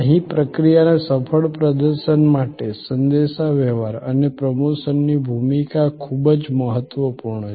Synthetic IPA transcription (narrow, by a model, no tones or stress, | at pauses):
ɦipɾəkɾijanesəpʰəɭpɾəd̪əɾʃənmaʈesənd̪eʃaʋɛʋaɾənepɾəmoʃənːibʱumikakʰubəd͡ʒməɦət̪ːʋəpuɾɳə